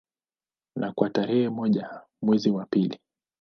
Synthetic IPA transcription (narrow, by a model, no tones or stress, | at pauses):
nakwataɾɛhɛmɔʄa | mwɛziwapili